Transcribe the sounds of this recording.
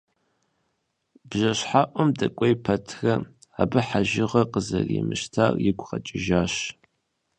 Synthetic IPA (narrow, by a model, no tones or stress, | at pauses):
bʒɐɕħaʔʷɔmdɐkʷʼɔjpʰɐtʰrɐ | aːbɨħaʒɪʁɐqəzɐrḭmɨʃtʰaːrjɪɡʷʰqɐt͡ʃʼɪʒaːɕ